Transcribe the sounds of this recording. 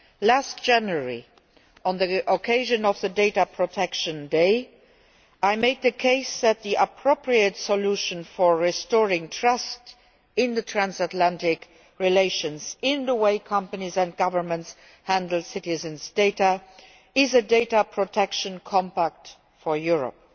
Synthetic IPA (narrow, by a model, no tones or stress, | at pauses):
last̚d̥ʒ̥æ̃njəɹḭ | ə̃nðiʔokʰeɪʒə̃nɔfðədeɪtəpʰɹ̥otʰɛkʃə̃ndeɪ | aɪmeɪd̪̚ðəkʰeɪsðæt̪̚ðiʔəpʰɹoʊpɹiətsəluʃə̃nfɔ˞ɹistɔɹɪ̃ŋtʰɹʌst | ɪ̃nðətʰɹæ̃nsətlæ̃ntɪk | ɹileɪʃə̃nzɪ̃nðəweɪkʰʌ̃mpənizæ̃nt̚ɡ̥ʌvə˞mə̃nts | hæ̃ndl̩sɪtɪzə̃nsd̥eɪtə | ɪzədeɪtəpʰɹ̥otʰɛkʃə̃nkʰɔ̃mpæk̚t | fɔjuɹə̰p̚